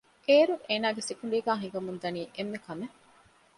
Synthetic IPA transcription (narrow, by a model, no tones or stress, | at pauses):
keːɾuʔeːnaːɡesikuɳ̆ɖeːɡaːɦiɡɐmund̪ɐniːʔemːekɐme